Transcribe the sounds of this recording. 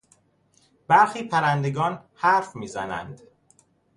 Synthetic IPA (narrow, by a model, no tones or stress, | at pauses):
b̥æɾxiːpʰæɾænd̪e̞ɡɒːnhæɾfmiːzænæ̰nd̪̥